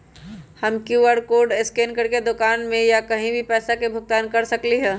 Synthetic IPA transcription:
həmkjuʋəɾkoːɾɖɪskeːnkəɾked̪ʊkaːnmẽjakɐɦĩbʱipɛːsakebʱʊɡ̚t̪aːnkɐɾsəkliɦɛ̃ː

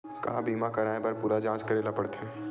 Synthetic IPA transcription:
kɐ̰ɦãbiːmãkɐɾaːẽbɐɾpuːɾad͡ʒãːt͡ʃkɐɾeːlapɐɽt̪ɦɛ̃ː

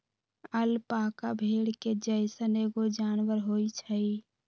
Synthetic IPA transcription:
əlpakabʱeɽked͡ʒəɪsəneɡod͡ʒanwəɾɦoit͡ʃʰəj

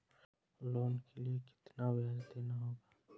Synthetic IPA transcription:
loːnkeliekɪ̥t̪nawazd̪enaɦoːɡaː

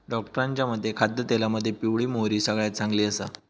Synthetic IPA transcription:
ɖɔkʈəɾaɲt͡ɕjaməd̪ʱːjekʰad̪ʱjət̪elaməd̪ʱːjepiʋɭiːmoɦɾiːsəɡɭjat̪t͡sãŋɡliːəsa̰

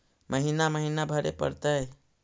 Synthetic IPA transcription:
məɦinaməɦinabʱəɾḛpə̰ɾt̪əj

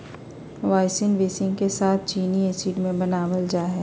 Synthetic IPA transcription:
ʋaːɪsɪnʋeːsɪ̃ŋɡkesaːt̪̚ʰt͡ʃiːnieːsiːɖmẽbɐnaːʋəld͡ʒaːɦɛː

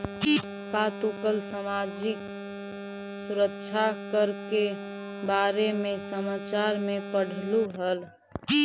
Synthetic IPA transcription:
kat̪ukəlsəmad͡ʒɪk | suɾəkt͡ʃʰakəɾke | baɾemesəmat͡ʃaɾmepəɽ̤ʱluɦəl

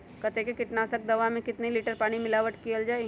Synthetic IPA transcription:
kɐt̪ekekɪʈnaːsək̚d̪ɐʋamẽkɪt̪neliːʈəɾpaːɽ̃imɪlaːʋəʈkiəld͡ʒaːeɡ

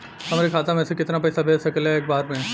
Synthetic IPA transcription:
ɦɐmːɾekʰaːt̪amɛ̃ːsekɪt̪nap̬ɛːsabʱeːsɐkəleeːk̚baːɾpẽɛ̃ː

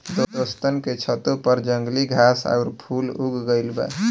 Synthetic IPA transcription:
d̪od̪ost̪ənket͡ʃʰət̪opəɾd͡ʒəŋɡliɡʱasa̰ʊɾpʰuluɡɡəɪlbɛ̰

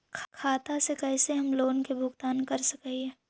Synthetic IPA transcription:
kʰkʰaːt̪asekɛːseɦɐmloːnkebʱʊɡt̪aːnkɐɾsɐkaiɛː

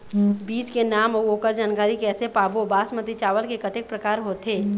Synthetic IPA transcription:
biːskenaːmooːkəɾd͡ʒaːnkaːɾikɛːsepaːbobaːsmət̪it͡ʃaːʋəlkekət̪ɪk̚pɾəkaːɾɦoːt̪eː

